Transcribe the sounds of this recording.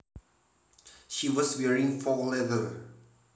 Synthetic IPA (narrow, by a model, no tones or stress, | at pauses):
ʃiwɔswɛɹĩŋfɔlɛvəl